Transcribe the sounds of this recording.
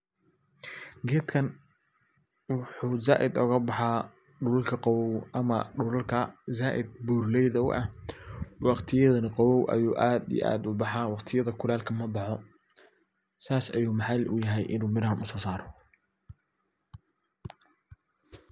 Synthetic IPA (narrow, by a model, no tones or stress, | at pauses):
ɡɛːt̪kʰɐn | wɑħuːzaːʔɪd̪ɔɣɐbɑħɑ | ɖʊlɐlkʰɐqɑwɔwʔɐmɐɖʊlɐlkʰɐzaːʔɪ̰d̪̚buːrlɛjðɐw̰ʔɐ̰h | wɑqt̪ʰɪjɐðɐnɐqɑwɔwʔɐ̰juːʔaːd̪ḭʔa̰ːd̪ʊbɑħɑːwɑqt̪ʰɪjɐðɐkʰʊlaːlkʰɐmɐbɑħɔ | saːsɐjuːmɑħɑlʔʊ̰jɐɦɛjʔɪnuːmɪɾhɐnʊsɔːsaːɾɔ